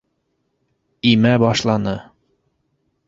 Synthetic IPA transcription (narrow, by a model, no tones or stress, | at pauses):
imæbɒʃlˠɑnɤ